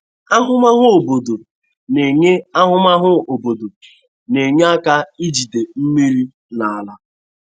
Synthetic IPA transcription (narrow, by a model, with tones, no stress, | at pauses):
a˦ɦʊ˦ma˦ɦʊ˦o˨bo˨do˨ | ne˨ɲe˦a˦ɦʊ˦ma˦ɦʊ˦o˨bo˨do˨ | ne˨ɲe˦a˦ka˦i˦d͡ʒi˨de˨m̩˦mi˦ɾi˦ | na˨a˨la˦